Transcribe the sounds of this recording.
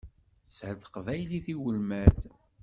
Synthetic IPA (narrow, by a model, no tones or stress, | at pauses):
shəθə̥qvæjliθiwəlmæð